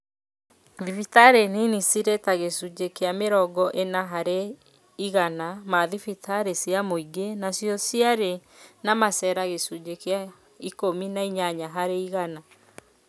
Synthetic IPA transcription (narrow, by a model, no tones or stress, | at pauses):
ðifitaɾenenisiɾetaɣesud͡ʒekeameɾɔɡɔʔenaɦaɾe | iɣanamaðifitʰaɾesiamoiɡenasjɔsiaɾenamasɛɾaɣesud͡ʒekea | ikominaiɲaɲaɦaɾeiɣana